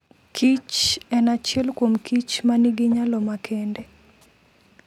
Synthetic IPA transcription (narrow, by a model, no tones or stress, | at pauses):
kʰit͡ʃɛnat͡ʃɛlkwomkʰit͡ʃmaniɡiɲalɔmakʰende